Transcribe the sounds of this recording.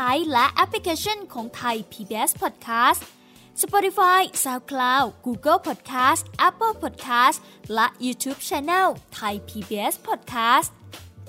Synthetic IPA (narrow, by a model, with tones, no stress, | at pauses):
a˧˥jlɛ˦˥ʔɛ˦˥pʰli˧kʰaː˧t͡ɕʰo˥˩nkʰɔː˩˦ŋt̪ʰa˧jpʰiː˧biː˧ʔe˦˥spʰɔ˨˩t̪̚kʰaː˦˥st | sa˧pɔ˧t̪i˧faː˧˥jsaː˧wkʰlaː˧wɡuː˧ɡə˥˩lpʰɔ˨˩t̪̚kʰaː˦˥st̪ʔɛ˦˥pːə˥˩lpʰɔ˨˩t̪̚kʰaː˦˥s | lɛ˦˥ʔjuː˧t̪ʰuː˦˥p̚t͡ɕʰɛː˧nɛː˥˩lt̪ʰa˧jpʰiː˧biː˧ʔe˦˥spʰɔ˨˩t̪̚kʰaː˦˥st